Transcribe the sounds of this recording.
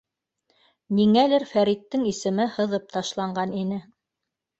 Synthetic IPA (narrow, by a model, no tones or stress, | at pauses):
niŋælɘɾfæɾit̪ːɘŋisɘ̆mɘhɤ̆ðɤp̚t̪ɑʃlˠɑɴɢɑninɘ